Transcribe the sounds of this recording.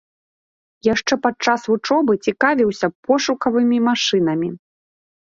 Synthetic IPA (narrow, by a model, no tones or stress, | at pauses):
jaʂt͡ʂɛpat͡ʂasvut͡ʂɔbɨt͡sʲikavʲiwsʲɐpɔʂukɐvɨmʲimaʂɨnɐmʲi